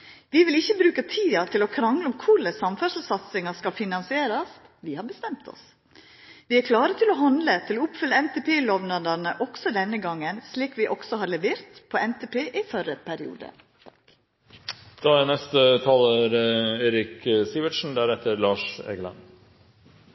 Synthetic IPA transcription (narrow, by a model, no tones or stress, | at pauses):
ʋɪʋɪlɪçːəbɾʉːkət̪ʰiːɑt̪ʰɪlɔkʰɾɑŋləɔmkʰʊɭəsɑmfœɾʂl̩sɑt̪sɪŋɑskɑlfɪnɑnsɪeːɾɑs | ʋɪhɑɾbəst̪ɛmt̪ʰɔ̰s | ʋɪæɾkʰlɑːɾət̪ʰɪlɔɦɑnd̪lət̪ʰɪloɔʊpfʏlːəɛnt̪epʰeːlɔʋnɑd̪ənəʔɔksɔd̪ɛnːəɡɑŋːənsliːkʋɪʔɔksɔɦɑɾɭɛʋeːɾt̪pʰɔɛnt̪eːpʰeːʔɪfœɾəpʰæɾɪṵːd̪ə̰ | d̪̥ɑænɛst̪ət̪ʰɑːləɾeːɾɪksiʋəʈʂn̩d̪æɾɛt̪ːəɾlɑːʂḛːɡəlɑ̰n